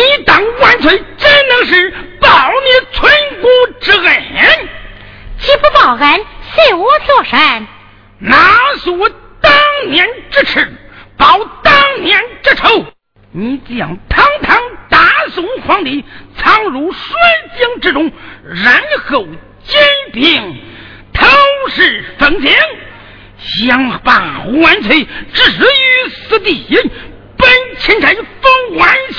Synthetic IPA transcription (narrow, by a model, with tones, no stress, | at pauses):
ni˧˥t̪ɑ˨˩ŋkwa˧˥nt͡sʰwe˧˥t͡ɕɛ˥nnɤ˧˥ŋʂ̬ɻ̩˥˩pɑ˨˩ʊni˧˥t͡sʰwa˥nku˥ʈ͡ʂɻ̩˥ɣe˨˩˦n | t͡ɕʰi˧˥pu˧˥pɑ˨˩ʊɣə˧˥nɕi˥˩wɔ˥t͡swɔ˥˩ʂə˧˥˩n | na˧˥su˧˥t̪ɑ˥ŋnjɛ˧˥nʈ͡ʂɻ̩˥ʈ͡ʂ̩ʰ˧˩pɑ˨˧˥ʊt̪ɑ˥ŋnjɛ˧˥nʈ͡ʂɻ̩˥˩ʈ͡ʂʰo˥ʊ | ni˧˥t͡ɕjɑ̰˨˩ŋt̪ʰɑ˥ŋt̪ʰɑ˥ŋt̪a˧˥sʊ˧˥ŋxwɑ˧˥ŋt̪i˧˥t͡sʰɑ˥ŋɻu˧˥ʂwa˥nt͡ɕi˥ŋʈ͡ʂɻ̩˥˧ʈ͡ʂʊ˥ŋɻa˧˥nxo˨˩ʊ | t͡ɕjɛ˥npʰi˨˩ŋ | t̪ʰə˥ʂɻ̩˥˩fə˧˥ŋt͡sʰjɛ˧˥n | ɕjɑ˧˥ŋpa˥˧˩wa˧˥nt͡sʰwe˧˥ɪʈ͡ʂɻ̩˥˩˧y˧˥sɹ̩˧˥t̪i˥˩i˧˥n | pə˥nt͡ɕʰi˧˥nʈ͡ʂʰə˧˥nfə˥ŋxwa˧˥n